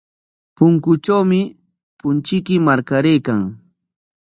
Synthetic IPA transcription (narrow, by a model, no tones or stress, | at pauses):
pʊŋkʊt͡ʃawmɪ | pʊnt͡ʃɪkɪmaɾkaɾejkaŋ